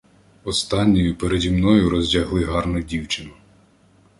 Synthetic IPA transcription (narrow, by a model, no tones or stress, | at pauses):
ɔst̪ɑnʲːɔjʊpeɾedʲimnɔjʊɾɔzʲdʲɐɦlˠɪɦɑrnʊdʲiwt͡ʃɪnʊ